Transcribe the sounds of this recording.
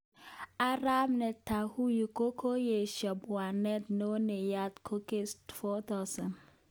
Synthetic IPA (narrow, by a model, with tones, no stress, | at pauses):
a˦ɾa˦mne˨ta˨hu˦ji˨ko˦kʰo˦je˨ʃjɔ˨pwa˨ne˦tno˦ne˨ja˦tkʰo˦ke˦stfɔ˦ta˦sa˨n